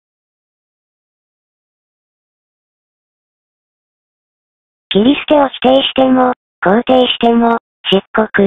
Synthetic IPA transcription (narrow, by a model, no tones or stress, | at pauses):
ɡ̥ʲiɾʲisɨ̥t̪eoçʲi̥t̪eːɕi̥t̪e̞mo | koːt̪e̞ːɕi̥t̪e̞mo | d͡ʑ̥ɨkːo̞kɯ̟